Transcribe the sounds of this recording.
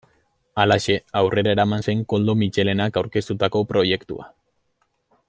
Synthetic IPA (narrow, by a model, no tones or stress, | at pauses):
alaʃe̞awre̞ɾae̞ɾamanse̞ŋko̞ld̪omit͡ʃe̞le̞nakawɾke̞st̪ut̪ako̞pɾo̞je̞kt̪ṵa̰